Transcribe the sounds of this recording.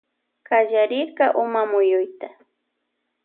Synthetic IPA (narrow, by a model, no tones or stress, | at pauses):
kaʒaɾɪɾkaʔʊmamʊjʊjt̪a